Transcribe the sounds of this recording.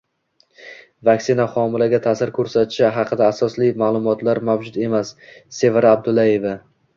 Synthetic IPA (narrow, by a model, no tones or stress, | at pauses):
vakʲsɪnaχɒmɪlaɡʲat̪ʰasɪɾkʰɵɾsat̪ʰɪʃaɦɑqʰɨd̪aːsɒslijmaːlˠʊmɒt̪ʰlaɾmawd͡ʒʊd̪e̞masːe̞vɾaab̚d̪ʊlaeva